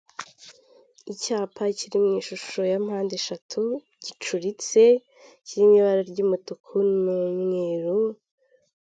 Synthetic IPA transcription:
icaːpʰaciɾimŋiːʃuʃojam̥haːndeʃatʰu | ɟ̥it͡ʃuɾit͡se̞ | ciɾimɲiβaɾaɾɟumutukʰunumŋeːɾu

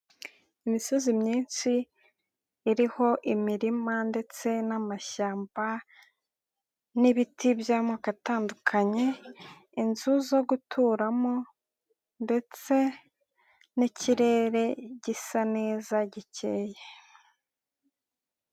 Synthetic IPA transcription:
imiso̞zimɲiːnsiː | ɾiho̞ʔimiɾimande̞t͡se̞namaʃaːmba | niβitibjaːmoakataːndukʰaɲe̞ | inzuzo̞ɡutʰuːɾamo | nde̞t͡se̞ | niciɾe̞ːɾe̞ɟisane̞ːzaɟice̞ːje

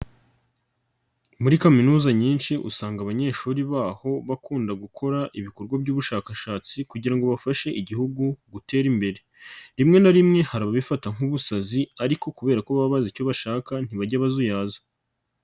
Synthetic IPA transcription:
muɾikaminuːzaɲiːnʃiʔṵsaːŋɡaβaɲe̞ːʃuːɾiβaːho̞βakuːndaɡukʰo̞ɾaʔiβiko̞ɾɡwabɟuːβuʃaːkaʃaːt͡sikuɟiɾaŋɡo̞βafaʃe̞ʔiɟihuɡuɡute̞ːɾimbe̞ɾe̞ | ɾimŋe̞naɾimŋe̞haɾaβaβifataŋ̥uβusaziaɾiko̞kuβe̞ːɾakoβaβazico̞βaʃaːkan̥iβaɟaβazujaːzḁ

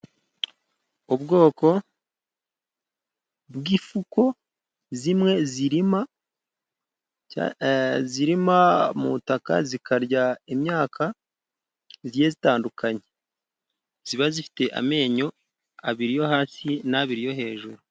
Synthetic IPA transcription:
ubɡo̞ːko̞ | bɡiːfuko̞ | zimŋe̞ziɾima | ziɾimamutaka̰zikaɾɟaimɲaːka | zije̞zitaːndukaɲe̞ | z̥iβazifi̥te̞ʔa̰me̞ːɲo̞ | aβiɾijo̞haːsinaβiɾijo̞ɦe̞ːʒuɾu

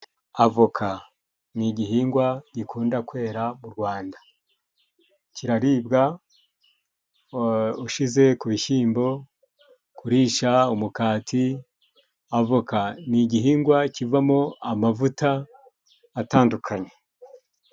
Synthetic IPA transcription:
avokʰa | niɟiɦiːŋɡwaɟ̥ikʰuːndakwe̞ːɾamuɾɡwaːnda | ciɾaɾiːbɡa | uʃize̞kuβiʃiːmbo̞ | kuɾiːʃaumukaːtʰi | avokaniɟihiːŋɡwacivamo̞amavutaː | taːndukʰaɲe

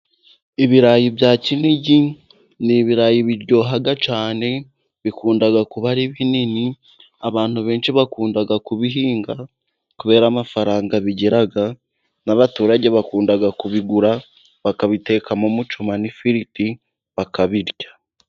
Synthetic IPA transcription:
iβiɾajibjaːciniɟi | niβiɾajiβiɾɟo̞ːɦaɡat͡ʃaːne̞ | βikuːndaɡakuβaɾiβinini | aβaːnhuβe̞ːnʃiβakuːndaɡakuβiɦiːŋɡa | kuβe̞ːɾaːmafaɾaːŋɡaβiɟeɾaɡa | naβatuːɾaɟe̞βakuːndaɡakuβiɡuɾa | βakaβite̞kamomut͡ʃumanifiɾiti | βakaβiɾɟḁ

